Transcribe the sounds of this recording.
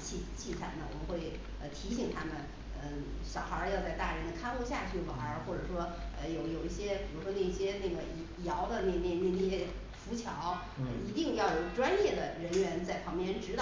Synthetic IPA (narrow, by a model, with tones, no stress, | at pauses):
t͡ɕʰi˥˧t͡ɕʰi˥˩t͡sʰa̰˨˧˩ɪnə˧˩wɔ˨˩mə˧˦nxwe˥˩ɪ | ə˧˩t̪ʰi˧˥ɕi˨˩ŋt̪ʰa˥mə˨n | ə˧ | ɕjɑ˨˩ʊxə˧˥jɑ˥˧ʊt͡sa˥˧ɪt̪a˥˩ɻə˧˥nd̪ə˧kʰa˥nxu˥˧ɕ̬ja˥˧t͡ɕʰy˥˩ba̰˨˩ə˧˥xwɔ˥˩ʈ͡ʂɤ˨˩ʂwɔ˥ə˧jo˨˧˥ʊjo˨˩ʊi˥˩ɕjɛ˥pi˨˩ɻu˧˥ʂwɔ˥ne˥˩ɕjɛ˥na˥˩ɡə˩˧jɑ˧˥ʊd̪ə˧ne˥˧ne˥˧n˥˧ne˥˩ɕɛ˥ | fu˧˥t͡ɕʰjɑ˧˥ʊ | ə˧˩i˧˥t̪i˥˧ŋjɑ˥˩ʊjo˨˩ʊʈ͡ʂwa˥njɛ˥˩d̪ə˩ɻə˧˥nɥɛ˧˥nt͡sa˥˩ɪpʰɑ˧˥ŋpjɛ˥˧nʈ͡ʂɻ̩˧˥t̪